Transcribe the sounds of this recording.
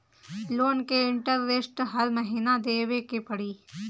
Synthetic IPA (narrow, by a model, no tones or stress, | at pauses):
loːnkeɪ̃ɳʈəɾʋesʈɦɐlməɦiːnad̪eːwekepɐɽiː